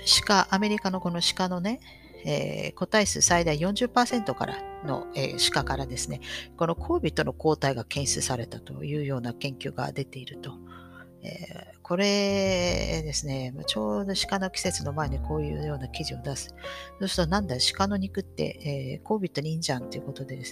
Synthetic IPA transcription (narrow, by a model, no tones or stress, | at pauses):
ɕi̥kaʔame̞ɾʲikano̞ko̞no̞ɕi̥kano̞ne̞ | ḛːko̞t̪aisɨ̰said̪aijõ̞ɲ̟d͡ʑɨpːaːsẽ̞nt̪o̞ka̰ɾa̰no̞̰ḛːɕi̥kakaɾad̪e̞sɨne̞ko̞no̞kʰo̞ːbʲit̪ːo̞no̞ko̞ːt̪aiɡakẽ̞ɰ̃sɨsaɾe̞t̪at̪o̞̰jɯ̟ːjo̞ːnakẽ̞ŋkʲɨːɡa̰d̪e̞t̪e̞iɾɯ̟t̪o̞ | ḛː | kʰo̞ɾe̞ | d̪e̞sɨne̞mat͡ɕo̞ːd̪o̞ɕi̥kano̞kʲi̥se̞t͡sɨno̞mae̞ɲikʰo̞ːjɯ̟̰ːjo̞ːnakʲiʑio̞d̪asɨ̥d̪oːsɨ̥t̪onãnd̪aɕi̥kano̞ɲ̟ikɯ̟t̪ːe̞̰eːko̞ːbʲit̪ːo̞ɲʲĩɲd͡ʑãnt̪e̞iɯ̟ko̞t̪o̞d̪e̞d̪e̞s